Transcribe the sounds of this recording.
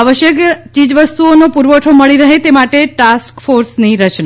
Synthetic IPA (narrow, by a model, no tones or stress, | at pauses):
aʋəʃjəkt͡ʃid͡ʒʋəst̪uonopuɾʋəʈʰoməɭiɾəɦet̪emaʈeʈaskfoɾsniɾət͡ʃna